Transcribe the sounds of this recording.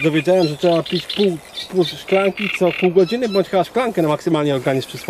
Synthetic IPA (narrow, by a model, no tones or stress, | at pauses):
d̪ɔvʲjed͡ʑawɛmʐɛtʂɛbapʲit͡ɕpuwpuwʂklaŋkʲit̪sɔpuwɡɔd͡ʑinɘbɔɲʲt͡ɕxɘbaʂklaŋkɛnamaksɨmalɲɛɔɾɡaɲispʂɘspɔ